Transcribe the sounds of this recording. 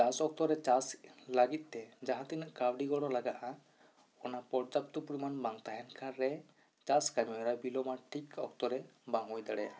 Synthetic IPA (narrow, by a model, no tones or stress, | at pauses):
t͡ʃasɔk̚t̪ɔɾɛt͡ʃaslaɡit̪̚ˀt̪ɛd͡ʒaɦãt̪inəʔkawɖiɡɔɽɔlaɡaʔa | ɔnapɔɾd͡ʒap̚t̪ɔpɾimanbaŋt̪aɦɛnkʰãɾɛ | t͡ʃaskamɛɔɾabilɔmaʈʰikɔ̰kt̪ɔɾɛbaŋɔjd̪aɽɛa